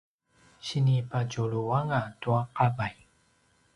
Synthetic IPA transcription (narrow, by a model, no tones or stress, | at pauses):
ɕinipaɟuɭuaŋatuaqabaj